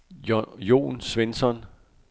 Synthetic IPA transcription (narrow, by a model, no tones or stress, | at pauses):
jo̝̰ːnsʋensɒn